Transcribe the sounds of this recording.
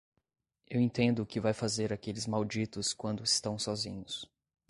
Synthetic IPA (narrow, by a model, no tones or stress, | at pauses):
ewẽt̪ẽnd̪ʊːkɪvajfazeɾakelɪzmawd͡ʒit̪ʊskwɐ̃nd̪ʊɪst̪ɐ̃w̃sɔzḭ̃ɲʊs